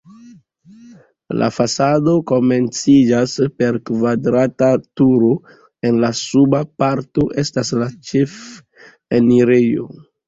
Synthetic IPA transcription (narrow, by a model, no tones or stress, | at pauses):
la̰fasado̞ko̞me̞nt͡sid͡ʒaspe̞ɾkvadɾatatuɾo̞ | e̞nlasubapaɾto̞ʔe̞staslat͡ʃef | eniɾejo̞̰